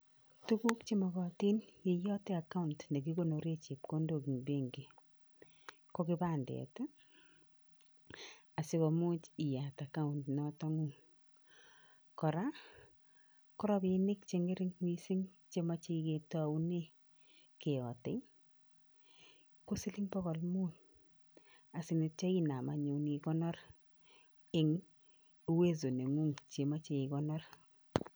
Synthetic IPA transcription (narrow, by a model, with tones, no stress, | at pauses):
tu˦ku˦kt͡ʃe˦ma˨ɣɔ˨ti˦nje˨jɔ˦tɪ˦a˨ka˦untne˨ki˦ko˨no˨ɾe˦t͡ʃe˨p̚ko˦ndo˨ki˨ŋbe˦ŋɡe˨ | ko˦kɪ˦ba˦ndɛ̰˨ta˦ | a˨sɪ˦kɔ˨mʊ˦t͡ʃi˨ja˨ta˨ka˦u˨ntnɔtɔ˦ŋu˦ | kɔ˨ɾa˦ | kɔ˦ɾɔ˦bɪ˦nɪ˦kt͡ʃe˦ŋe˦ɾɪ˦ŋwi˦sɪ˦ŋ | t͡ʃe˦ma˦t͡ʃi˦ke˨ta˨u˦ne˦ | ke˨ɔ˨tɪ˦ŋ | ko˦sɪ˦lɪ˦ŋpɔ˦kɔ˨lmu˦t | a˨sɪ˨ni˨t͡ʃɔ˦i˦na˨ma˨ɲu˨ni˨kɔ˦nɔ˦ɾ | ɪ˨ŋ˦ | we˦zo˨ne˨ŋu˦ŋt͡ʃe˨ma˦t͡ʃe˨i˨kɔ˦nɔ˦r